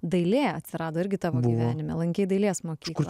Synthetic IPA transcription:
d̪ɐɪlʲeːɐt̪ʲsʲɪɾɑːd̪oːɪɾʲɡʲɪt̪ɑːʋoːbʊɡiʋʲæːnʲɪmʲɛ̰lˠɐŋʲkʲɛɪd̪ɐɪlʲeːsmoːkʲʃiːkʊɾlˠ

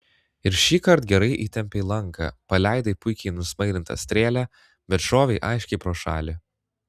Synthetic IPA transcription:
ɪɾʃʲiːkɐɾt̪ɡʲɛɾɐɪʔiːt̪ʲɛmʲpʲeːlˠɐŋkɐ̰pɐlʲæˑɪd̪ɐɪpʊɪkʲɛɪnʊsmɐɪɾʲɪnt̪ɐ̰sʲt̪ʲɾʲeːlʲæː | bʲɛt̪ʃoːʋʲɛɪʔɑɪʃʲkʲɛɪpɾoːʃɑːlʲɪ

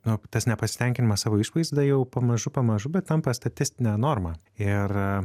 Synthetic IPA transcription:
nʊt̪ɐsnʲɛpɐsʲɪ̥t̪ʲɛŋʲkʲɪnʲɪmɐssɑːʋoːɪʃʋɐɪzd̪ɐjɛʊpɐmɐʒʊpɐmɐʒʊbʲɛt̪t̪ɐmpɐst̪ɐt̪ʲɪsʲt̪ʲɪnʲɛːnoːɾmɑː | ɪr

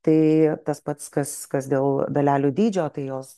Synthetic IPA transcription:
t̪ɐɪt̪ɐspɐt̪skɐskɐsd̪ʲeːlˠd̪ɐlʲæːlʲuːd̪ʲiːd͡ʒʲoːt̪ɐɪjoːs

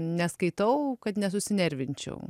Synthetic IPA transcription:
nʲɛskɐɪt̪ɐʊkɐt̪nʲɛsʊsʲɪnʲɛɾʲʋʲɪnʲt͡ʃʲɛ̰ʊ

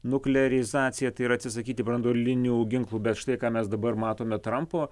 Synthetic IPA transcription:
nʊklʲɛɾʲɪzɑːt̪sʲɪjɛt̪ɐɪiɾɐt̪ʲsʲɪsɐkʲiːt̪ʲɪbɾɐnd̪oːlʲɪnʲuːɡʲɪŋklˠuːbʲɛt̪ʃt̪ɐɪkɑːmʲɛsd̪ɐbɐɾmɑːt̪oːmʲɛt̪ɾɐmpoː

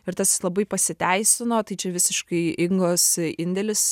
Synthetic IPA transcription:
ɪɾt̪ɐslˠɐbɐɪpɐsʲɪt̪ʲæɪsʲɪnoːt̪ɐɪt͡ʃʲɛʋʲɪsʲɪʃkɐɪɪŋɡoːsɪnʲd̪ʲɛlʲɪs

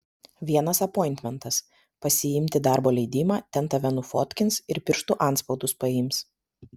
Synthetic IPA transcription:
ʋʲiɛnɐsɐpɔɪnʲt̪ʲmʲɛnt̪ɐs | pɐsʲɪɪmʲt̪ʲɪd̪ɑˑɾboːlʲɛɪd̪ʲɪmɑːt̪ʲɛnt̪ɐʋʲɛnʊfoːt̪ʲkʲɪnsɪɾpʲɪɾʃt̪ʊʔɐˑnt̪spɒʊd̪ʊspɐɪmʲs

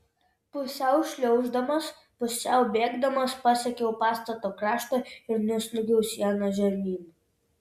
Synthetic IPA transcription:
pʊsʲɛˑʊʃʲlʲɛʊʒd̪ɐmɐs | pʊsʲɛʊbʲeːɡd̪ɐmɐspɑsʲɛkʲɛʊpɑːst̪ɐt̪oːkɾɑːʃt̪oːɪɾnʲʊsʲlʲʊɡʲɛʊsʲɛnɐʒʲɛɾʲnʲiːn

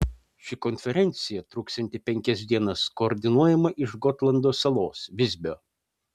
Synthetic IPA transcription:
ʃʲɪkɔnʲfʲɛɾʲɛnʲt̪sʲɪjɛt̪ɾuːkst̪ɐnʲt̪ʲɪpʲɛŋʲkʲɛs̬ʲd̪ʲiɛnɐskoːɾʲd̪ʲɪnuɔjɛmɐʔɪʃɡɔt̪lˠɐnd̪oːsɐlˠoːsʋʲɪzʲbʲoː

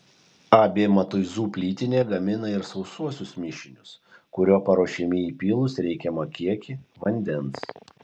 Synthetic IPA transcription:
ɑːbʲeːmɐt̪ʊɪzuːpʲlʲiːt̪ʲɪnʲeːɡɐmʲɪnɐɪɾsɒʊsuɔsʲʊsmʲɪʃʲɪnʲʊs | kʊɾʲoːpɐɾoːʃʲɛmʲɪiːpʲiːlˠʊsɾʲɛɪkʲɛmɐkʲiɛkʲɪʋɐnʲd̪ʲɛns

